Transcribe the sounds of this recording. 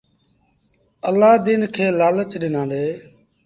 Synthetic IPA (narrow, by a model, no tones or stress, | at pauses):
əlːaːd̪iːnkʰeːlaːlət͡ʃɗɪnãːnd̪eː